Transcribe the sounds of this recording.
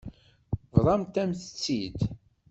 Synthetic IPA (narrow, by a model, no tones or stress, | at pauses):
vðˤɑmt̪æmθə̥t͡sːid̪